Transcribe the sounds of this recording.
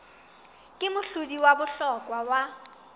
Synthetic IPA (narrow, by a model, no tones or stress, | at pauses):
kʼɪmʊɬudiwabʊɬɔkʼwawa